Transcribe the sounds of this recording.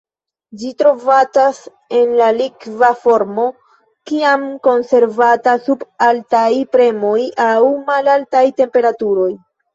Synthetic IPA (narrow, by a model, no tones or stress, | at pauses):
d͡ʒitɾo̞vad͡ʒas | e̞nlalikvafo̞ɾmo̞ | kiamko̞nse̞ɾvatasubaltajpɾe̞mo̞jawmalaltajte̞mpe̞ɾatuɾo̞j